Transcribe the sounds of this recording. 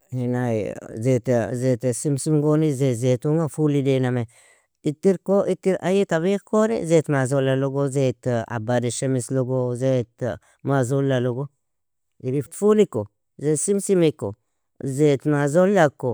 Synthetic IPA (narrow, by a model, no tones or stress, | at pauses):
hinajzet̪zet̪esimsimɡonizezet̪umafulidename | it̪iɾkoit̪iɾa̰jit̪aβikoɾḛzet̪mazolaloɡozet̪a̰baɾeʃemisloɡozet̪ | mazolaloɡo | iɾit̪fuliko | zesimsimiko̰ | zet̪mazolːako